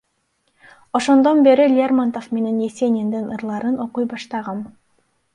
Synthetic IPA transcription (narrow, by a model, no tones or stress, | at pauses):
o̞ʃo̞nd̪o̞nbe̞ɾilʲɪermant̪ofme̞ne̞njesenʲind̪inɯɾlˠɑɾɯno̞qujbɑʃt̪ɑʁɑn